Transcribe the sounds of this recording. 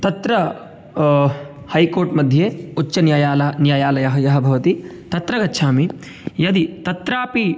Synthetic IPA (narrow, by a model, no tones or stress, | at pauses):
t̪ɐt̪ɾɐ | hɐjkoːɾʈmɐd̪ʱjeːut͡ʃːt͡ʃːɐnjajaːlɐnjaːjaːlɐjɐɦɐjɐɦɐbʱɐʋɐt̪i | t̪ɐt̪ɾɐɡɐtːʃʰaːmi | jɐd̪it̪ɐt̪ɾaːpi